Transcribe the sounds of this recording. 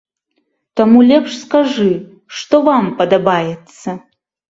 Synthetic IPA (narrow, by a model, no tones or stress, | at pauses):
t̪amulʲɛpʂskaʐɨ | ʂt̪ɔvampɐd̪abajɛt̪sɐ